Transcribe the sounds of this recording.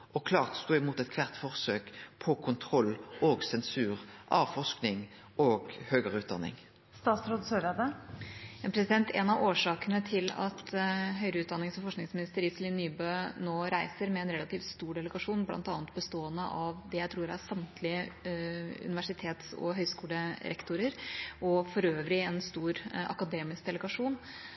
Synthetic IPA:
ʔɔkʰlɑːʁt̪st̪uːɪmuːt̪ɛt̪kʰʋæʁt̪fɔʁsøːkpʰɔkʰʊnt̪ʰʁɔlːoːɡsɛnsʉːʁʔɑːʋfɔʂknɪŋ | oːɡhøːɡəʁəʉːt̪̚d̪ɑ̰nɪ̰ŋ | st̪ɑːt̪sɾʊd̪søːɾəd̪ə | ɛnpɾɛsɪd̪ɛnt̪ʰɛnɑʋoːʂɑːkənət̪ʰɪlɑ̰t̪ɦœʏɾəʉːd̪ɑnːɪŋsɔmfɔʂknɪŋsmɪnɪst̪əɾɪslɪnːyːbøːnoːɾæɪsəɾmɛːnɾɛlɑt̪iːft̪st̪uːɖɛləɡɑʂuːnblɑ̰nt̪ɑːnət̪̚bəst̪oːənəʔɑʋd̪ɛjæɪt̪ʰɾuːɾæsɑmt̪ʰlɪə | ʉ̰nɪʋæʂɪt̪ʰeːt̪sɔ̰ɦœʏskuːləɾɛ̰kt̪ʊɾəɾʔɔfɔɾøːʋɾɪɛnst̪uːɾʔɑ̰kɑd̪eːmɪsk̚d̪ɛləɡɑʂuːn

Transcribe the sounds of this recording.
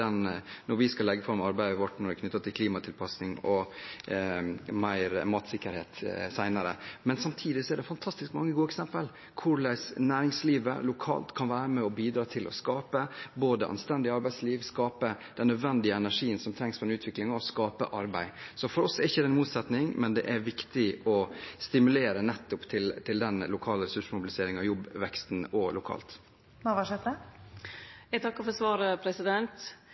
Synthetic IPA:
ɛnnɔɾʋɪskɑlɛɡːəfɔɾmɑɾbæɪəʋɔʈːnɔɾɪkʰnʏt̪ːət̪ʰːɪlkʰliːmɑt̪ʰɪlpʰɑsnɪŋɔ | mæɪɾmɑːt̪sɪkːəɾhḛːt̪sæɪnəɾə̰mɛnsɑmt̪ʰiːd̪ɪsɔɛɖɛfɑnt̪ʰɑst̪ɪskmɑŋːəɡuːɛksɛmpəl | kʰʊɭæɪʂnæːɾɪŋsliːʋə̰lʊkʰɑ̰ːlt̪kʰɑnʋæːɾəmɛɔbiːd̪ɾɑːt̪ʰɪlʔɔ̰skɑːpəboːd̪əʔɑ̰nst̪ɛnd̪ɪəɑɾbæɪd̪sliːʋskɑːpə | d̪̥ɛnːœd̪ʋɛnd̪ɪəɛnæʂiːənsɔmt̪ʰɾɛŋspʰɔd̪ɛnʉːt̪ʋɪklɪŋɑɔskɑːpə̰ʔɑɾbæɪsɔfɔɾɔsɛɾɪçːəd̪ɛnmuːt̪sɛt̪nɪŋmɛnd̪ɛ̰ʔæɾʋɪkt̪ɪɔst̪ɪmʉleːɾənɛt̪ːʊpt̪ʰɪlt̪ʰɪld̪ɛnlʊkʰɑːləɾɛsʉʂmʊbɪlɪseːɾɪŋɑjɔbːʋɛkst̪nɔlʊkʰɑ̰ːlt̪ | ɑʋɑʂɛt̪ə | jɛt̪ʰɑkːəfɔsʋɑːɾəpʰɾɛsɪd̪ɛnt̪

